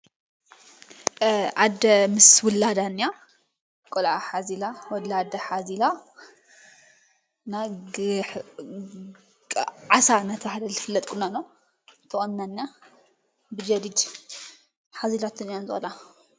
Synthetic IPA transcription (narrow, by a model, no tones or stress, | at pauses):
ʔad̪ɐmɨswɔlad̪anːja | kʼolʕaħazilawɔlad̪ɐħazila | naħ | ʕasanɐt̪ʰɐhad̪ɐlzɨfɨlːɐt̪ʼkʼunano | t̪ʰɐχʼɐnːanja | bɨd͡ʒɐd̪id̪ | ħazilat̪ʰɨnijanzɨʔɐ̰la